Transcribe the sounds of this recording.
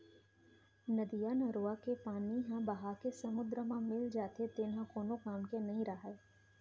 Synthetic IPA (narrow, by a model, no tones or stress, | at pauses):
nɐd̪ijaːnəɾoːakepaːniɦãbɐɦakesɐmʊd̪ɾəmãmɪld͡ʒaːt̪et̪eːnãkoːnõkaːmkenɐɦĩɾɐɦa